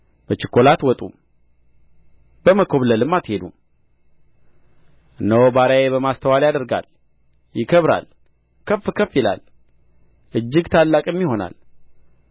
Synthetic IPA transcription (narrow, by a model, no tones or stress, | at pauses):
b̥ət͡ʃɪkʰːo̞lat̪wɔt̪ʼṵm | bəməkʰo̞βləlɨmːat̪he̞d̪um | ʔɨnːəwbaɾajeβəmast̪ʰəwaljad̪əɾɡa̰l | jɪkʰəβɾa̰l | kʰəfːkʰəfjɪla̰l | ʔɨd͡ʒːɪɡt̪ʰalːakʼɨmːiho̞na̰l